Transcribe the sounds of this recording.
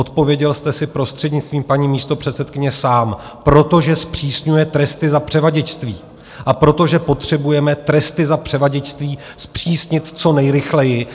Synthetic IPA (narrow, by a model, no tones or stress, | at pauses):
ot̪po̞vjɛɟɛlst̪ɛsɪpɾo̞st̪r̥ɛd̪ɲɪt͡st̪viːmpaɲiːmiːst̪o̞pr̥ɛt̪t͡sɛt̪kɪɲɛsaːmpɾo̞t̪o̞ʒɛspr̝̥iːsɲujɛt̪ɾɛst̪ɪzapr̝̥ɛvaɟɛt͡ʃst̪viː | ʔapɾo̞t̪o̞ʒɛpo̞t̪r̝̥ɛbujɛmɛt̪ɾɛst̪ɪzapr̝̥ɛvaɟɛt͡ʃst̪viː | spr̝̥iːsɲɪt̪t͡so̞nɛjɾɪxlɛjɪ